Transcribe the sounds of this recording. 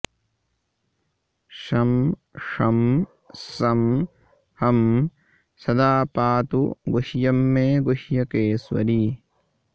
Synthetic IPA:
ʂɐmʂɐm | sɐm | hɐm | sɐd̪aːpaːt̪uɡoʃjɐmːeːɡoʃjɐkeːswɐ̰ɾi

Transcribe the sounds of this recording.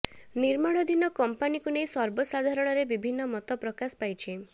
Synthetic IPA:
niɾmaɽ̃ɔd̪ʱinɔkɔmpanikunejsɔɾbɔsad̪ʱaɾɔɽ̃ɔɾebibʱinːɔmɔt̪ɔpɾɔkasɔ̥pajt͡ʃʰi

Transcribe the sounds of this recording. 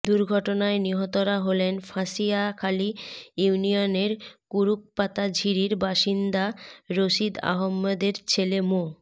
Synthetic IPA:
d̪uɾɡʱɔʈonaeniɦɔt̪oɾaɦolenfʰasiakʰalijuunioneɾkuɾuk̚pat̪ad͡ʑʱiɾiɾbaʃind̪aɾoʃid̪a̰ɦomːad̪eɾt͡ɕʰelemo

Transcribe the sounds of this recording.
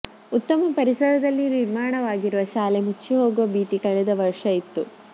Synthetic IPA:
ut̪ːɐmɐpɐɾisɐd̪ɐd̪ɐlːiniɾmaːɳɐʋaːɡiɾuʋɐʃaːlemut͡ʃːiɦo̞ːɡuʋɐbiːt̪ikɐɭɛd̪ɐʋɐɾʂɐit̪ːu

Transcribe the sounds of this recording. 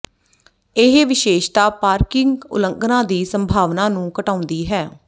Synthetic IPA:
ɪɦʋɪʃeːʃt̪aːpaːɾkɪŋɡʊ̰ləŋɡnãːd̪iːsəmbʱaːʋnaːnũːkəʈaːʊnd̪iːɦɛː

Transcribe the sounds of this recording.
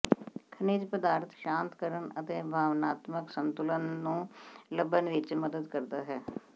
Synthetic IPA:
kʰəniːd͡ʒpəd̪aːɾt̪ʰʃãːnt̪kəɾənət̪eːbʱaːʋnaːt̪məksənt̪ʊlənːũːləbːənʋɪt͡ʃməd̪əd̪kəɾd̪aːɦɛː

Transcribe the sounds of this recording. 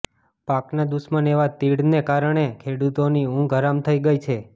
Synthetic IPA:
paknad̪usməneʋat̪iɽnekaɾəɳ̃ekʰeɽut̪oniũɡʱəɾamt̪ʰəiɡəjt͡ʃʰe

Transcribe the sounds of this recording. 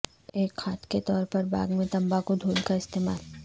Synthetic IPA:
eːkxaːt̪ket̪ɔːɾpɐɾba̰ːɡmẽt̪ɐ̃mbakod̪ʱuːlkaɪst̪eːmaːl

